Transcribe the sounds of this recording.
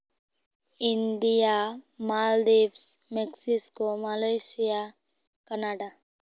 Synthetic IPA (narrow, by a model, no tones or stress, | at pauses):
ind̪ijamaːld̪ebsmeksiskomalajsija | kɐnaɖa